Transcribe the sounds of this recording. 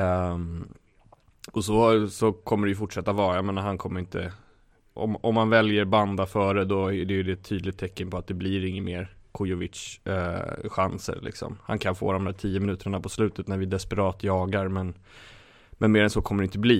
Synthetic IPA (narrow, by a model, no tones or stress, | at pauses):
ɔsɔsɔkʰɔmːəɖɛjɵfʊʈʂɛt̪ːavɑːɾajameːnaɾɦankʰɔmːəɾɪnt̪ʰə̰ | ʔɔ̰mɔmhanvɛljəɾband̪afœːɾəd̪ɔæɖɛjɵd̪ɛt̪ʰːyːd̪lɪt̪̚ʰːɛkːənpɔat̪̚d̪ɛbliɾɪŋːənmeːɾkʰʊjʊvɪt̪ʂ | ɧansə̰ɾlɪ̰ksɔ̰mha̰nkʰanfo̰ːd̪ɔmd̪æːʈʰiːjːəmɪnʉ̟ːt̪əɳapʰɔslʉ̟ːt̪ət̪næɾvɪd̪ɛspɛɾɑːt̪jɑːɡaɾmɛn | mɛnmeːɾɛnsɔːkʰɔmːəɖɛɪnt̪əbliː